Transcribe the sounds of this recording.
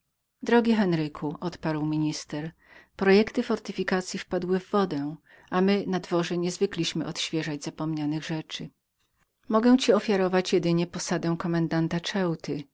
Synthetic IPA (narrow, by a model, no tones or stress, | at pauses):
d̪ɾɔɡʲixɛnɾɘkʰuʔɔt̪paɾwmʲiɲist̪ɛɾ | pɾɔjɛkt̪ɘfɔɾt̪ɘfʲikat̪sʲjifpad̪wɘvːɔd̪ɛw | amɘnad̪vɔʐɛɲɛzvɘklʲiɕmɘʔɔt̪ɕfʲjɛʐad͡ʑz̥apɔmɲanɘɣʐɛt͡ʂɘ | mɔɡɛw̃t͡ɕiɔfʲjaɾɔvat͡ɕjɛd̪ɘɲɛpɔsad̪ɛw̃kɔmɛnd̪ant̪at͡ʂɛwt̪ɘ